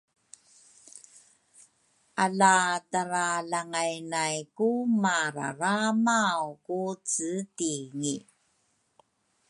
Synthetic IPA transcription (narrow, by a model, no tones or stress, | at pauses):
ʔalataɾalaŋajnajkumaɾa̰ɾamawkut͡sɨtiŋi